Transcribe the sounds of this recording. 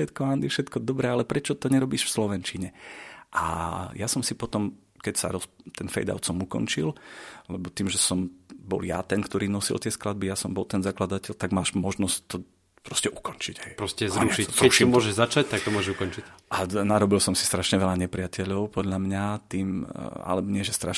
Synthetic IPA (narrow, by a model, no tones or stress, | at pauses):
ʃɛt̪kɔand̪ifʃɛt̪kɔd̪ɔbɾɛalɛpɾɛt͡ʃɔt̪ɔɲɛɾɔbiːʃfslɔʋɛnt͡ʃiɲɛʔa̰jasɔmsipɔt̪ɔm | kɛcsa̰ɾɔst̪ɛnfɛ̰jd̪a̰ʊt̪sɔmukɔ̰nt͡ʃillɛbɔt̪iːmʒɛsɔmbɔ̰lja̰t̪ɛnkt̪ɔɾiːnɔsḭlt̪ɪɛsklad̪̚bijasɔmbɔlt̪ɛnzaklad̪acɛʎt̪aɡmaːʃmɔʒnɔsct̪ɔ | pɾɔscɛʔukɔnt͡ʃiɟɦɛjpɾɔscɛzaɾuʃiɾɛʃiɔmʊɔʒɛʒzat͡ʃac̚t̪ak̚t̪ɔmʊɔʒɛukɔnt͡ʃiʔanaɾɔbilsɔmsi̥st̪ɾaʃɲɛʋɛʎaɲɛpɾɪacɛʎɔʊpɔd̪ʎamɲat̪iːma̰lɛbɔɲɪɛʒɛst̪ɾaʃ